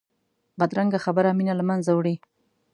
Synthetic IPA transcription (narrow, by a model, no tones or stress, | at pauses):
bad̪ɾaŋɡaxabəɾaminalamanzawɽi